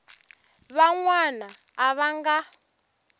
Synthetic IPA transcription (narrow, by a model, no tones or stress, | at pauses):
βaŋwanaː | βaŋɡa